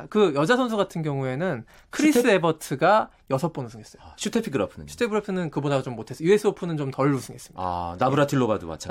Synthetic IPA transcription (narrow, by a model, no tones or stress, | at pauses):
kɯjʌd͡ʑasʰʌnsʰuɡatʰɯnɡjʌŋue̞nɯn | kʰɯɾis͈ɯebʌtʰɯɡa | jʌsʰʌp͈onɯnsʰɯŋɡes͈ʌjoɕʰutʰepʰiɡɯɾapʰɯnɯ̰ɕʰu̥tʰepʰɯɾapʰɯnɯnkɯbodat͡ɕomːotʰes͈ʌjue̞sʰɯopʰunɯnt͡ɕomtʌɭːusʰɯŋɡe̞s͈ɯ̥mɲia̰nabɯɾatʰiɭːobadṵma̰t͡ɕʰa̰